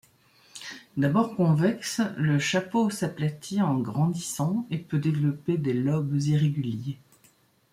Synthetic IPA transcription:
d̪abɔʁkɔ̃vɛksləʃaposaplat̪ʰiɑ̃ɡʁɑ̃d̪isɑ̃epød̪evlɔped̪elɔbziʁeɡʲylje

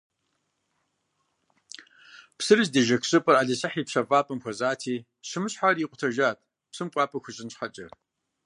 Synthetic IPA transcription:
psɨrɨzdeʒɐkɕʼɨpʼɐraːɮɐɕɐħiːpɕɐfʼaːpʼɐmxʷɔzaːtʰiː | ɕɨmɨɕħariːqʷʊtʰɐʒaːtʼ | psɨmkʷʼɑːpʼɐxʷʊɕʼɪnɕħɐt͡ʃʼɐ̰

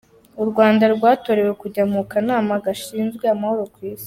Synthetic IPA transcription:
uɾɡwaːndaɾɡwaːto̞ɾe̞we̞kuɟamukanaːmaɡaʃiːnzɡweamaho̞ɾokwiːsi̥

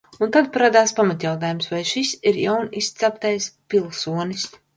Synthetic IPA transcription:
unt̪ad̪paɾad̪aːspamat̪jawt̪aːjumsvajʃisiɾjawnist̪sapt̪ɛjspʲilˠsuɔnis

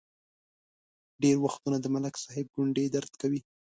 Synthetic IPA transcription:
ɖeɾwaxt̪unad̪əmalaksaɦɪb̚ɡʊɳɖed̪aɾd̪kawi

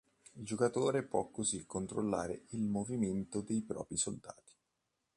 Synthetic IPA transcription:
ild͡ʒokat̪oːɾepwɔkːozikːont̪ɾo̰lːa̰ːɾeilmoviment̪od̪ejpɾɔ̰ːpɾisold̪a̰ːt̪i̥

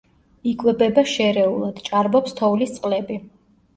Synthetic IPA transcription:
ikʼwɛbɛbaʃɛɾɛulˠad̪̥t͡ʃʼaɾbɔpst̪ʰɔulist̪sʼqʼlɛbi

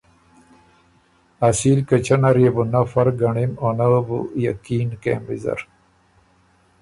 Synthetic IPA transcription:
ɐsiːlkɐt͡ɕʰɐnɐɾebunɐfɐɾɡɐɳimonɐbṵjɐ̰kiːnkḛmbizɐ̰ɾ

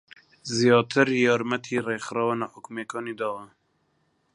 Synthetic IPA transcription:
zijɑːt̪ʰɨɾjɑːɾmɛt̪ʰiːreːxɾɑːwanaːħʊkmeːkʰɑːniːd̪ɑː

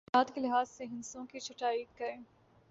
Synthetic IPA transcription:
aːd̪kelɪɦaːzseɦɪ̃nsõkit͡ʃʰʊʈaːikɐɾẽː

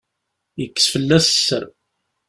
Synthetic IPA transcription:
jəkːə̥sfəlːæssːəɾ

